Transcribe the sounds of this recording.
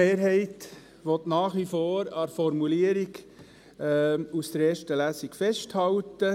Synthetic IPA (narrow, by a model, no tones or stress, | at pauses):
eːɾɦɛɪt | ʋɔt̪nɑːχʋifoːɾɑɾfɔɾmuliəɾiɡ | usd̥əɾeːʃtəlæsikfɛʃthɑltə